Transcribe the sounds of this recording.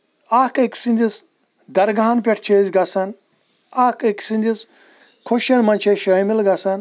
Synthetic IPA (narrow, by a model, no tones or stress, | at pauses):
akɐkʲsind̪ʲis | d̪ɐɾɡaːnpʲeʈʰt͡ʃʰeːzɡɐsɐn | akeksinʲd̪is | kʰoʃɐnmɐnʲt͡ʃʰeʃɐmilɡɐsɐn